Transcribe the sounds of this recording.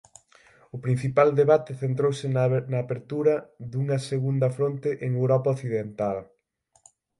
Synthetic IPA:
ʊpɾin̟θipald̪eβat̪ɪθent̪ɾowsɪnɐːpeɾt̪uɾɐðuŋɐseɣund̪ɐfɾont̪eʔeŋewɾɔpaoθiðent̪al

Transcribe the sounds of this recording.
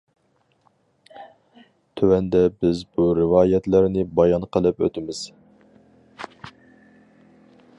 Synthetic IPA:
t̪ʰøwɛnd̪ɛbɪzbuɾɪvɑːjɛt̪læɾnɪbɑjɑnqʰəlˠɨpø̰t̪ʰɪmɪz̥

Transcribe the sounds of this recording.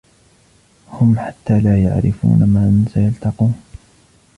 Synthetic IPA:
hʊmħat̪ːaːlaːja̰ʕɾɪfṵːnamaːnsajalt̪ɑquːn

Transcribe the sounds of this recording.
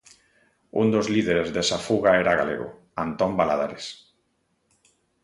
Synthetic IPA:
und̪ozliðeɾezðesafuɣaeɾaɣa̰lḛɣo̰ | ant̪ombalað̞a̰ɾes

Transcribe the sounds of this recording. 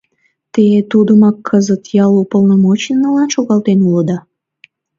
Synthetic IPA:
t̪eet̪ud̪əmɑkʰːəzət̪jɑlupolnomot͡ɕnənəlɑnʃoɣɑlt̪enulod̪ɑ

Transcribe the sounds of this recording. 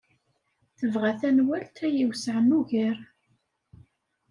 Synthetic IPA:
θəvʁæθænwælt̪ʰæjiwsʕənuʝəɾ

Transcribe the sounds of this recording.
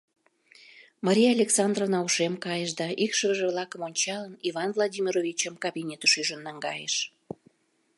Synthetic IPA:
mɑɾʲijalʲeksɑnd̪rovnɑuʃemkɑjəʃd̪ɑʔikʃəβəʒə̆βlɑkəmonʲt͡ɕɑləniβɑnvlˠod̪ʲimʲiɾovʲit͡ɕəmkɑbʲinʲet̪əʃyʒənːɑŋɡɑjə̰ʃ

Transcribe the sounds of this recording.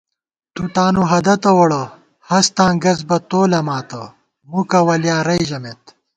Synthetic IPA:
t̪ut̪aːnuɦɐd̪ɐt̪ɐwɐɽɐ | hɐst̪ãːɡɐzbɐt̪oːlɐmaːt̪ɐ | mukɐwɐljaːɾɐjʑɐmet̪

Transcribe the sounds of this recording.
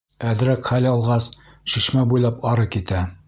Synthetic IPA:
æðɾækχælɑlˠʁɑs | ʃiʃmæbujlˠɑpɑɾɤkit̪æ

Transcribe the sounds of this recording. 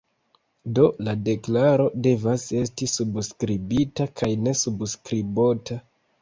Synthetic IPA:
do̞lade̞klaɾo̞de̞vase̞s̬tisubskɾibitakʰajne̞subskɾibota

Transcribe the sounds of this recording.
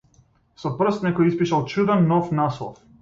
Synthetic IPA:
sɔpr̩st̪nɛkɔjispiʃalˠt͡ʃud̪ɛnːɔfnaslˠɔ̰f

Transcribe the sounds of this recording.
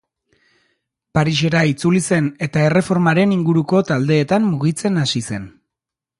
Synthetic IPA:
paɾiʃ̬e̞ɾait͡sulise̞ne̞t̪ae̞re̞fo̞ɾmaɾe̞niŋɡuɾuko̞t̪ald̪e̞ːt̪amːuɣit͡se̞nasise̞n

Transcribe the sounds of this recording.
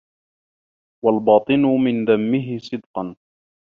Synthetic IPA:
walbɑːt̪ˤɨnʊmɪnðamːɪɦɪsˤɨd̪qɑn

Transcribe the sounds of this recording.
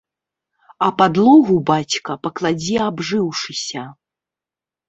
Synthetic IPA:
ɐpad̪lˠɔɣubat͡sʲkɐpɐklˠad͡zʲiabʐɨwʂɨsʲɐ

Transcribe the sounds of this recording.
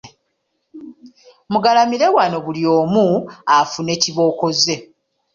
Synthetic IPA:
muɡalamiɾe̞wano̞βulijo̞ːmuafune̞ːciβo̞ːko̞ze̞

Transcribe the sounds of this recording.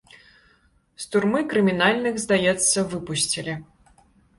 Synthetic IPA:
st̪urmɨkɾɨmʲinalʲnɨxzd̪ajɛt̪sːɐvɨpusʲt͡sʲilʲi

